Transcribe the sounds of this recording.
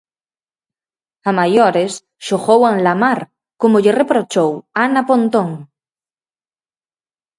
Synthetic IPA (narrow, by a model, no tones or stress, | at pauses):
amajoɾes | ʃoɣowaŋlamaɾ | komoʎerepɾot͡ʃowanapõnt̪õŋ